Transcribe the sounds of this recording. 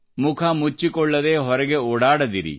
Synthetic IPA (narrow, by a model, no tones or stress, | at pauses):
mukʰɐmut͡ʃːikɔɭːɐd̪eːɦɔɾɐɡeuːɽaːɽɐd̪iɾḭ